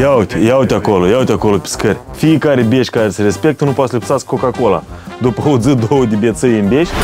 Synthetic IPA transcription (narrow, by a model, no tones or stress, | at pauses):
jawt̪ʲjawt̪ʲako̞lojawt̪ʲako̞lopʲi̥skərʲ | fijekaɾebʲeʃʲkaɾesəɾe̞spe̞k̚t̪ənupoat̪səlʲipsat̪skʰːokako̞la̰d̪upəod̪zɨd̪owəd̪ebʲjet̪səjɨnbʲeʃʲ